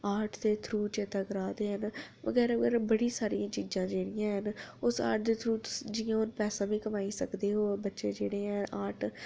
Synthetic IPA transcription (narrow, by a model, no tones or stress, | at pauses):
aːʈʰt̪eːt̪ʰɾuːt͡ʃeːt̪əɡəɾaːd̪eːɦənʋə̰ɡɛːɾɡəɾbəɽiːsaːɾijãːt͡ʃiːd͡ʒãːd͡ʒeːɽɪjãːɦənʊsa̰ːʈ̚d̪eːt̪ʰɾuːt̪ʊ̥sd͡ʒɪjãːʊnpɛːsãːʋĩːkəmaːiːsə̰kd̪eːɦoːbətːʃeːd͡ʒeːɽeːɛ̃ːʔaːʈʰ